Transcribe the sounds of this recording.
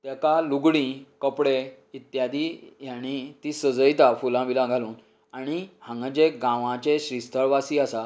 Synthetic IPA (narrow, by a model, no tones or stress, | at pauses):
t̪akaluɡɽĩkəpɽe | it̪jad̪ijañit̪isəd͡zəjt̪afulãʋilãɡʱaluːn | aɽ̃ihãŋɡad͡ʑeɡãʋãt͡ɕeɕɾist̪ʰəɭʋasiasa